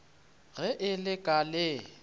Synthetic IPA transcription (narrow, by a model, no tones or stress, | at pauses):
ɣɛʔɪlɪkʼalɪ